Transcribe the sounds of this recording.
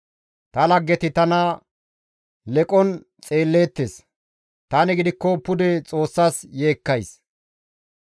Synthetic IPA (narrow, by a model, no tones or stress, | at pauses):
t̪ɐlɐɡːɛt̪ɪt̪ɐnɐ | lɛkʼɔn | t͡sʼe̞ːlːe̞ːt̪ːes | t̪aːnɪɡɪd̪ɪkːɔpʊd̪ɛt͡sʼo̞ːsːaːsje̞ːkːɐjs